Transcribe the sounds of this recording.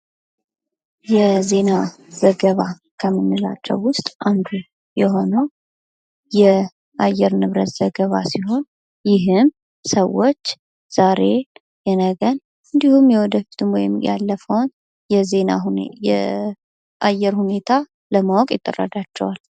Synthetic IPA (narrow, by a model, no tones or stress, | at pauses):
jɛze̞na | z̥əɡəβa | kʰəmːɨnːila̰t͡ʃːɛ̰wːʊst̪ʼʔamd̪ | jɛɦo̞nəw | jɛ | ʔajːɛɾnɨβɾət̪z̥əɡəβasiɦo̞n | jɪɦɨm | səwːot͡ʃː | z̥aɾe̞ | jɛnəɡən | ɨnd̪ihumjɛwɔd̪əfi̥t̪ʰɨmwɔ̰jɪ̰mja̰lːəfəwn | jɛze̞na̰ujɛ̰ | ʔajːɛɾhune̞t̪ʰa | ləmawɔkʼjɪt̪ʼːə̰rːa̰d̪at͡ʃːɛwal